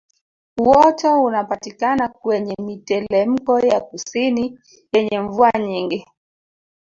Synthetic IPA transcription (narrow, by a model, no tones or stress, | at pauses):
uwɔtɔunapatikanakwɛɲɛmitɛlɛm̩kɔjakusini | jɛɲɛɱvuaɲiŋɡi